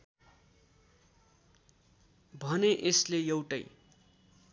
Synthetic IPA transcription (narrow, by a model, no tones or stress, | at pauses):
bʱʌneʔeslejʌwʈʌj